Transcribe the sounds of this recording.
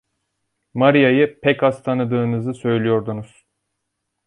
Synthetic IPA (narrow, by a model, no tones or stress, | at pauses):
maɾijajɯpʰɛcast̪ʰanɯd̪ɯːnɯzɯsø̞jlʲijo̞ɾd̪unuz̥